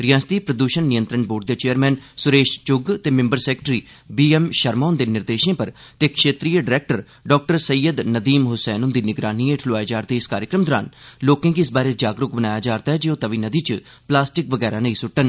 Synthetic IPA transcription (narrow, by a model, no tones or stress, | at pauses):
ɾɪjãːst̪iːpɾəd̪uːʃənːɪjənt̪ɾəɳboːɖ̚d̪eːt͡ʃeːəɾmɛ̃ːnsʊɾeːʃt͡ʃʊɡt̪eːmɪ̃mbəɾsɛːkʈɾiː | biːɛːmʃəɾmaːʊnd̪eːnɪɾd̪eːʃẽːpəɾt̪eːkʃeːt̪ɾiːəɖɪɾɛːk̚ʈəɾ | ɖɔːk̚ʈəɾsəjːəd̪nəd̪iːmɦʊsɛːnʊnd̪iːnɪɡɾaːniːeʈʰloaːeːd͡ʒaːɾt̪eːɪskaːɾjəkɾəmd̪ɔːɾa̰ːnloːkãːkiɪsbaːɾeːd͡ʒaːɡɾʊk̚bənaːjaːd͡ʒaːɾt̪aːɦɛd͡ʒiːoːt̪əʋiːnəd̪iːt͡ʃ | plaːsʈɪkʋəɡɛːɾaːnəĩːsʊʈːən